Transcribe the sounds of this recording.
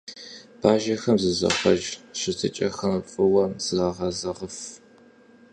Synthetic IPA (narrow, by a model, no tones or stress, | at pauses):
b̥aːʒɐxɐmzɨzɐ̰χʷɐʒɕɪtʰɨ̰t͡ʃʼɐxɐmfʼɨwɐmzɨʁɑːʁɐzɐʁəf